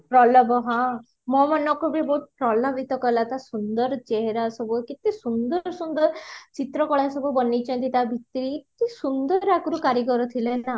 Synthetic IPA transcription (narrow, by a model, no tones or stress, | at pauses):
pɾɔlɔbɔɦã | mɔmanɔkɔbibɔɦut̪̚ʰpɾɔlɔbʱit̪ɔkɔlat̪asund̪ɔɾt͡ʃeɦeɾasɔbukit̪isund̪ɔɾsund̪ɔɾt͡ʃit̪ɾɔkɔɭasɔbʱubɔnit͡ʃʰɔ̃nt̪it̪abʱit̪ɾit̪isund̪ɔɾakuɾukaɾikɔɾɔt̪ʰilena